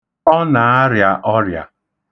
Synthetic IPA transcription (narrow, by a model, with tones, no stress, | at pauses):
ɔ˦na˨a˦ɾja˨ʔɔ˦ɾja̰˨